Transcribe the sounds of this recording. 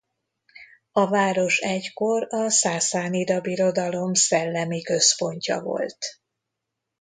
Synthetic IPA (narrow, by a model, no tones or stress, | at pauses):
ɒvaːɾo̞ʃɛcko̞rɒsaːsaːniɾɒbiɾo̞d̪ɒlo̞msɛlːɛmikø̞spo̞ɲcɒ̰vo̞̰lt̪